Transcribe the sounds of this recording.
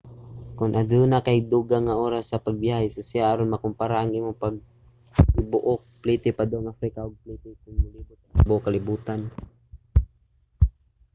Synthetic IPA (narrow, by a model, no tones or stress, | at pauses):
kʊnʔad̪unakajd̪uːɡaŋːaʔoːɾasːɐpaɡ̚bjahɛsosɪjaʔaɾonmɐkʊmpaɾaʔaŋʔiːmʊpaɡ̚ | ɪbʊʔok̚pliːt̪ɪpad̪oŋʔafɾikaoɡ̚pliːt̪ɪkʊŋmʊliːbʊt̪̚abʊʔokalɪbuːt̪an